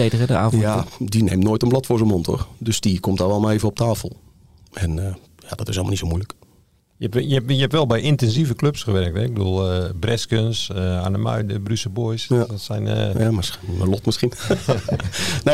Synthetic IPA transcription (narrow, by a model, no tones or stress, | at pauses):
ejdəɣədəaːjadinemnoːjtənblɔtfʊːsənmontʰo̰rdøsdikʰomtaʋɛlˠmaeːvəɔp̚taːfəl̩ˠ | ʔɛnə | jadɔtɪsɛlmlˠnitsowmujlək | jəɛjəjəɛpʋɛlˠbɛjʔɪntɛnsivəkløpsxəʋɛrək̚tɛɪɡ̚bədṵəlˠəbrɛskənsəanəma̰jdəbrysəbojsɔtsɛjn̰jamɪsməlɔtmɪsxin | ne